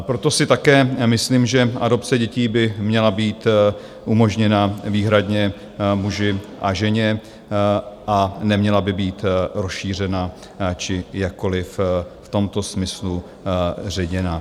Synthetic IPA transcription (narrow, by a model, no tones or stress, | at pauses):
pɾo̞t̪o̞sɪt̪akɛːmɪsliːmʒɛʔado̞pt͡sɛɟɛciːbɪmɲɛlabiːt̪ | ʔumo̞ʒɲɛnaviːɦɾadɲɛ | muʒɪʔaʒɛɲɛ | ʔanɛmɲɛlabɪbiːt̪ɾosʃiːr̝ɛna | t͡ʃɪjakkːo̞lɪfft̪o̞mt̪o̞smɪslu | r̝ɛɟɛna